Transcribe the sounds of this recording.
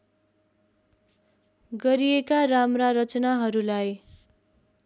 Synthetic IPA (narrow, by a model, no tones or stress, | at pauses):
ɡʌɾiekaramraɾʌt͡sʌnaɦʌɾulaj